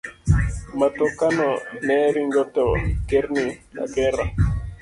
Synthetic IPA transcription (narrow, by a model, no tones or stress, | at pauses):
matɔkanɔnɛɾiŋɡɔtɔkeɾnina̰ɡɛɾa